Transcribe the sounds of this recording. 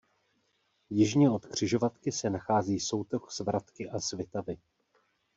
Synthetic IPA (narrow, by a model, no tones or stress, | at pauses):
jɪʒɲɛo̞t̪kr̝̥ɪʒo̞vat̪kɪsɛnaxaːziːso̞wt̪oxz̥vɾʔat̪kɪʔazvjɛt̪avɪ